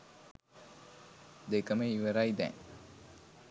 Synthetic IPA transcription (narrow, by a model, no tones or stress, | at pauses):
d̪ekɐmeiʋɐɾajd̪ɛ̰ŋ